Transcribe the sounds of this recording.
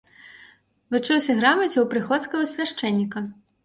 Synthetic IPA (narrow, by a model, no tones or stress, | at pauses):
vɨt͡ʂɨwsʲɐɣɾamɐt͡sʲɛwpɾɨxɔt̪skɐɣɐsʲvʲaʂt͡ʂɛnʲːikɐ